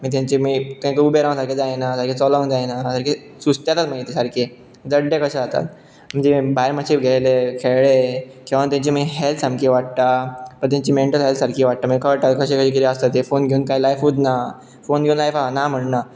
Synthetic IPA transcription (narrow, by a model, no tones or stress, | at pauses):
miːt̪̬jãɲt͡ɕimiːt̪ãɲkeubeɾãw̃saɾked͡zajnasaɾkʰet͡sɔlɔ̃ŋɡd͡zajnasəɾkʰe | sust̪jat̪at̪m̤əɡjet̪isaɾkʰe | d͡zəɖjekəɕəd͡zat̪a̰t̪ | m̤əɳd͡zebajɾməɕʰiɡʱejlekʰeɭe | kĩʋant̪̬jaɲt͡ɕimiɦɛlt̪sãmkʰeʋaʈ̚t̪apəɳt̪̬jãɲt͡ɕiːmeɳʈəlɦelt̪saɾkʰiʋaʈ̚t̪amĩkaʋaʈt̪akəɕekəɕiːk̬it̪iəst̪at̪efonɡʱeuːnkajlajfud̪na | fonɡʱeũnlajfanam̤əɽna